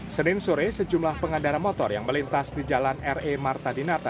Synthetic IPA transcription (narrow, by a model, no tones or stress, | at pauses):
sənɪnsuɾɪsəd͡ʒumlahpəŋandaɾamot̪ɔrjaŋməlint̪asdid͡ʒalanɛremart̪adinat̪a